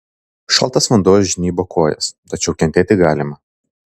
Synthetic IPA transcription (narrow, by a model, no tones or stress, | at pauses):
ʃɐ̰lˠt̪ɐsʋɐnd̪oːjʒʲɪnʲiːboːkʰoːjɛ̰st̪ɐt͡ʃʲɛʊkʲɛnʲt̪ʲeːt̪ʲɪɡɑːlʲɪmɐ